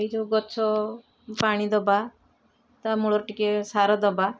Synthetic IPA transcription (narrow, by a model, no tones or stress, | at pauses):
id͡ʒoɡɔt͡ʃʰɔ | paɽ̃id̪ɔba | t̪amuɭɔɾʈikesaɾɔd̪ɔba